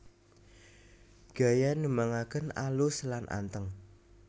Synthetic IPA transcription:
ɡ̥a̤janəmaŋakənaluslanʔa̰nt̪əŋ

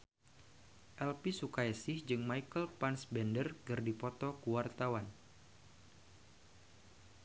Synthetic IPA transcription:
ʔɛlpisukaɛsɪhd͡ʒɨŋmaikəlpansbɛndərɡɨrdipɔt̪ɔkuwart̪awan

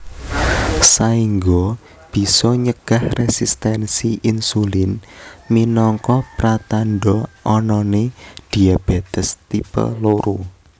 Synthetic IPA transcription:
saiŋɡo | b̥i̤sɔɲəɡ̥a̤hresist̪ɛnsiʔinsulɪnminɔŋkɔpɾat̪anɖɔʔɔnɔned̪̥iab̥et̪əst̪ipə̰loɾu

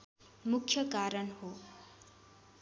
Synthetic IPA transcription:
mukʰːjʌkaɾʌnɦo

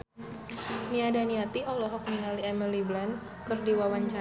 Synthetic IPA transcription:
niadaniat̪iʔɔlɔɦɔk̚niŋaliɛmiliblan | kɨrdiwawaɲt͡ʃa

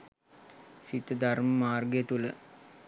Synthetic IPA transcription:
sit̪əd̪arməmaːrɡjət̪ulə

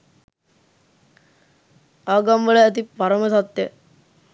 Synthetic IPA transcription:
aːɡamʋəɭəːt̪ipaɾəmət̪at̪ːe

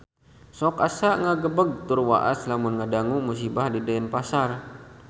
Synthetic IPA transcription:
sɔkasaŋaɡəbəɡ̚t̪urwa̰ʔa̰slamʊnŋadaŋumus̬ibahdidaɛnpasar

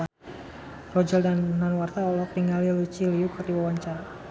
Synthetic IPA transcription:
rɔd͡ʒaldannanwart̪aɔlɔt̪iŋalilut͡ʃiliukərdiwawaɲt͡ʃaɾa

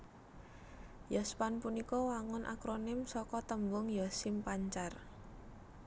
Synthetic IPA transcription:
jɔspanpunikɔwaŋʊnʔa̰kɾonɪmsɔkɔt̪əmbʊŋjɔsɪmpaɲt͡ʃar

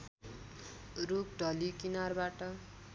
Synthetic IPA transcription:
ruk̚ɖʱʌlikinarbaʈʌ

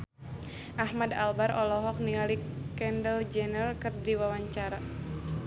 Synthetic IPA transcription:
ʔahmadalbaɾɔlɔɦɔk̚niŋalikɛndəld͡ʒɛnəlkɨrdiwawaɲt͡ʃaɾa

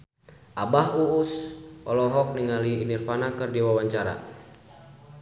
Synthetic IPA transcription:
ʔabaɦuusɔ̰lɔɦɔk̚niŋaliːnirfanakɨrdiwawaɲt͡ʃaɾa̰

